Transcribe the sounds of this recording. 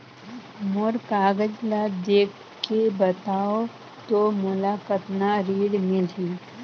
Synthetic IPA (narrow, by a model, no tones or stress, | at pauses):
mʊɾkaːɡəd͡ʒlad̪eːkʰ | kebət̪aːo | t̪omʊlaːkət̪naɾiːɽmɪliː